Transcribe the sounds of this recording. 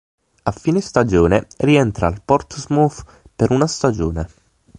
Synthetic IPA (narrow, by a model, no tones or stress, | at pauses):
afːiːnest̪ad͡ʒoːneriɛnt̪ɾalpɔrt̪zmuf | peɾunast̪ad͡ʒoːne